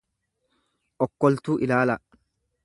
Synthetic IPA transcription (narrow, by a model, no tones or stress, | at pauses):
ʔɔkːɔlt̪uːʔɪlaːlɐ